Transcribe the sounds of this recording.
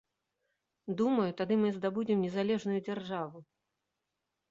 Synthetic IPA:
d̪umɐjut̪ad̪ɨmɨzd̪abud͡zʲimnʲɛzalʲɛʐnujud͡zʲarʐavu

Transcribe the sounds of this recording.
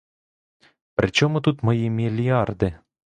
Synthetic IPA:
pɾʲʔɪt͡ɕomut̪ut̪mɐjimʲilʲiɑrd̪ɨ

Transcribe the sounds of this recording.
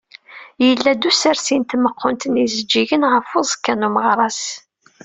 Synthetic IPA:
jəlːæd̪usəɾsint̪məqʰːʊnt̪ənizəd͡ʒːiʝənʁəfʊzˤkːænuməʁɾˤɑs

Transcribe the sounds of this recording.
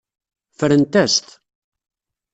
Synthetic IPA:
fəɾənt̪æst̪

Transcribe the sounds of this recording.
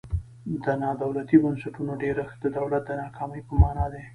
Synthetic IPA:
d̪ənɑd̪awlat̪ibənsaʈunoɖeɾaxd̪əd̪awlat̪̚d̪ənɑkʰɑməjpəmɑnɑd̪e

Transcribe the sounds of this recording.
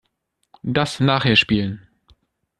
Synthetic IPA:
dasnaːχheːɐʃpiːlən

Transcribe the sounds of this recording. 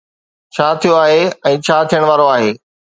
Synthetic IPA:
t͡ɕʰaːt̪ʰijoaːɦeɛ̃ːt͡ɕʰaːt̪ʰijəɽ̃ʋaːɾoaːɦeː

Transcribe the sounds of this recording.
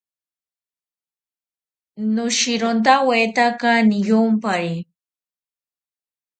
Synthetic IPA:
nʊʃiɾont̪awet̪akanijompaɾi

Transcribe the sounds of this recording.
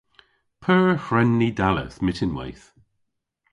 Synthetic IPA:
pʰɜːhɹɛnːidalə̰θmɪtɪnwɛ̰jθ

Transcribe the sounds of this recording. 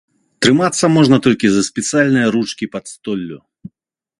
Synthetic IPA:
t̪ɾɨmat̪sːɐmɔʐnɐt̪ɔlʲkʲizɐsʲpʲɛt̪sɨjalʲnɨjɐɾut͡ʂkʲipɐt̪st̪ɔlʲːṵ

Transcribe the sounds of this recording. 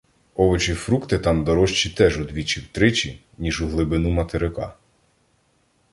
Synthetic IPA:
ɔʋɔt͡ʃifɾukt̪ɪt̪ɑmd̪ɔɾɔʃt͡ʃit̪ɛʒʊd̪ʋʲit͡ʃiwt̪ɾɪt͡ʃi | nʲiʒʊɦlˠɪbɪnumɐt̪eɾɪkɑ̰

